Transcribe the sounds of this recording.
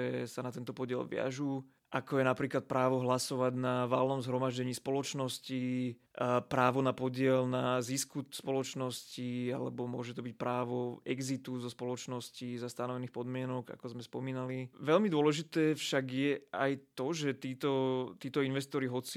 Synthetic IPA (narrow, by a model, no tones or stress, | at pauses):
ɛsanat̪ɛnt̪ɔpɔɟɪɛ̰lʋɪa̰ʒuː | ʔakɔjɛnapɾiːklat̪̚pɾaːʋɔɦlasɔʋaɟnaʋaːlnɔmzɦɾɔmaʒɟɛɲiːspɔlɔt͡ʃnɔsci | pɾaːʋɔnapɔɟɪɛlnaziskuspɔlɔt͡ʃnɔscia̰lɛ̰bɔmʊɔʒɛt̪ɔbic̚pɾaːʋɔɛɡzit̪uzɔspɔlɔt͡ʃnɔscizast̪anɔʋɛniːxpɔd̪mɪɛnɔɡa̰kɔzmɛspɔmiːnaliʋɛlmid̪ʊɔlɛʒit̪ɛːfʃaɡjɛa̰jt̪ɔʒɛt̪iːt̪ɔt̪iːt̪ɔinʋɛst̪ɔɾiɦɔt͡si